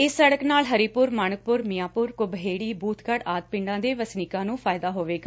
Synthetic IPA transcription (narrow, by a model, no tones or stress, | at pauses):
ɪsːəɽəknaːlɦəɾiːpʊɾmaɳək̚pʊɾmɪjaːpʊɾkʊbəɦeːɽiːbuːt̪ʰkəɽaːt̪̚pɪ̃ɳɖãːd̪eːʋəsnikãːnũːpʰaːɪd̪aːɦoːʋeːɡaː